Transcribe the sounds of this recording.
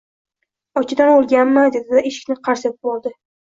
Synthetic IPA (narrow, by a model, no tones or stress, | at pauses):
ɒt͡ʃʰɪd̪anolˠɡʲanmad̪ed̪ɪd̪aeʃɪ̥kʲnɪqʰɑɾsat̪ɪp̚bɒlˠd̪ɪ